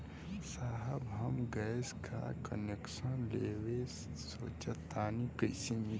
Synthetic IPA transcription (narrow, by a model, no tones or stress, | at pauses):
saːɦəbɦɐmɡɐskʰa̰kɐneksənleːwe | so̰ːt͡ʃɐt̪aːnikəisini